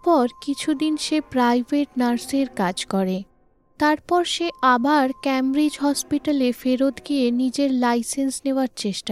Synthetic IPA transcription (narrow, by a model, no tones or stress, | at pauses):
pɔɾkit͡ɕʰud̪inʃepɾajbʱeʈnaɾseɾkad͡ʑkɔɾe | t̪aɾpɔɾʃeʔabaɾkɛmɾid͡ʑɦɔspiʈalefeɾot̪ɡijenid͡ʑeɾlajsensneoaɾt͡ɕeʃʈa